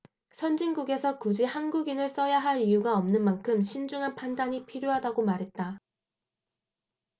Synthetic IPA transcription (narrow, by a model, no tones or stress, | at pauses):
sʰʌnd͡ʑinɡuɡe̞sʰʌkud͡ʑihanɡuɡinɯɭs͈ʌjaɦaɾijuɡaʌmnɯnmankʰɯmɕʰind͡ʑuŋɦanpʰandaɲipʰiɾjoɦadaɡomaɾɦe̞t̚t͈a